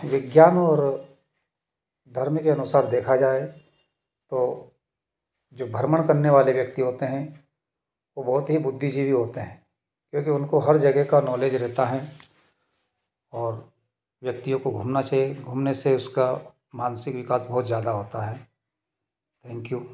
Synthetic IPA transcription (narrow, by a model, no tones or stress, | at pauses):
ʋɪɡjaːnɔːɾ | d̪ʱɐɾmkeɐnʊsaːɾd̪eːkʰad͡ʒaːe | t̪oː | d͡ʒoːbʱɐɾməɽ̃kɐɾneʋaːleʋjɐk̚t̪iɦoːt̪eɦɛ̃ | ʋobɔɦʊt̪ɦibʊd̪ʱːid͡ʒʱibʱiɦoːt̪eɦɛ̃ː | kjõːkiʊnkoɦɐɾd͡ʒɐɡɦekanɔːleːd͡ʒɾɛɦt̪aɦɛ | ɔːɾ | ʋjɐk̚t̪ijõkoɡʱuːmnat͡ʃaːɦieɡʱuːmneseʊska | maːnsɪkʋɪkaːsbɐɦʊt̪zjaːd̪aɦoːt̪aɦɛː | t̪ʰɛ̃ːŋkjuː